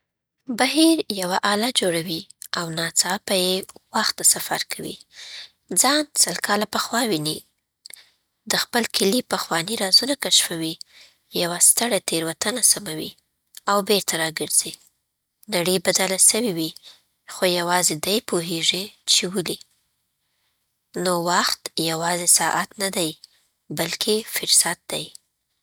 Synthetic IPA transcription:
baɦiɾjawaʔɑlad͡ʒoɽawiawnɑt͡sɑpajewaxt̪ːasafa̰ɾkʰawḭ | d͡zɑnsəlkʰɑlapəxwɑwini | d̪əxpəlkʰɪlipəxwɑniɾɑzunakaʃfawi | jawast̪əɽat̪eɾwat̪anasamawḭ | awbeɾt̪aɾɑɡəɾz̥i | naɽəjbad̪alasəwiwi | xojawɑzed̪ajpoɦeʐit͡ʃewəli | nowaxt̪jawɑzesɑʔat̪nad̪aj | balkʰefɪɾsat̪̚d̪̥a̰j

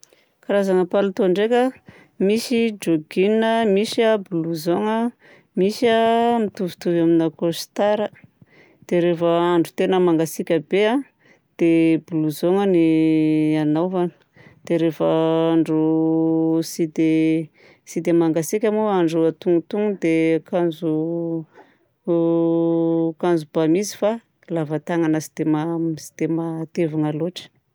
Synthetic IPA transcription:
kaɾazaŋəpalut̪oɳɖ͡ʐekʲə | misid͡ʒoɡinəmisiabuluzoŋə | misiamit̪uvi̥t̪uvaminakost̪aɾə | d̪̥eɾefəaɳɖ͡ʐut̪enəmaŋɡasikʲəbea | d̪̥ebuluzoŋəni | anawvani̥ | d̪̥eɾefaaɳɖ͡ʐu | sid̪e | sid̪emaŋɡasikʲamoaɳɖ͡ʐuat̪uŋut̪uŋud̪ekanzu | kanzubamizi̥fa | lavat̪aŋanasid̪emasi̥d̪̥emat̪evaŋaloʈ͡ʂə̥

